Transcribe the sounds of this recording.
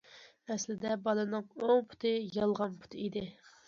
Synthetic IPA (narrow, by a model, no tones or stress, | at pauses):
ɛslɪd̪ɛbɑlˠɨnɨŋoŋpʰʊ̥t̪ʰɨjɑlˠʁɑnpʰʊ̥t̪ʰɨid̪ɪ